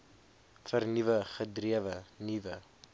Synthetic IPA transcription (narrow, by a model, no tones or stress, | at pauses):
fərnivəχədriəvənivə